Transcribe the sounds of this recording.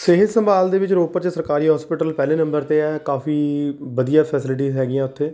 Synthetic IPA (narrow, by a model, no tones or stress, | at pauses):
seɦɪd̪səmbaːld̪eːʋɪt͡ʃɾoːpəɾt͡ʃəsəɾkaːɾiːɦɔːspɪʈəlpɛːlẽːnə̃mbəɾt̪eːɛːkaːfiːbəd̪ijaːpʰɛːsɪlɪʈ̬iːzɦɛːɡijãːʊt̪ʰːeː